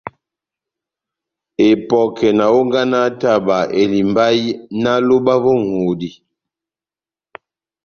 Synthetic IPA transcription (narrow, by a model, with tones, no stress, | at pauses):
e˨pɔ˨kʰɛ˨na˨o˦ŋ˦ɡa˦na˦ta˦˨ba˨e˨li˨mba˦jna˦lo˦ba˦vo˦ŋo˨di˨